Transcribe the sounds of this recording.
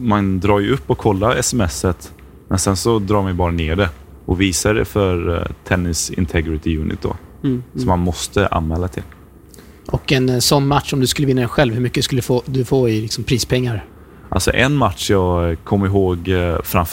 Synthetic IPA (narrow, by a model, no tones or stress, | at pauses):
mand̪ɾɑːɾjʉɵpːɔkʰːɔlːaɾɛsɛmɛsːət̪ | mɛnsɛnsɔd̪ɾɑːmɛbɑːɾaneːɖɛ | ʔɔviːsaɖɛ̰fœɾt̪ʰɛnːɪsɪ̰nt̪ʰɛɡɾɪt̪ʰɪjʉːnɪ̰t̪̚d̪o̰sɔmːanmɔst̪əʔa̰nmɛːlːat̪ʰɪl | ʔɔkɛnsɔnːmat̪ʂɔmd̪ɵskɵləvɪnːaɛnɧɛlvhɵɾmʏkːəd̪ɵskɵlːfoːd̪ɵfoːɪlɪksɔmpʰɾiːspʰɛŋːaɾ | ʔa̰lsɔ̰ʔɛnːmat̪ʂjɑːɡkʰɔmːɾɪɦoːɡfɾamf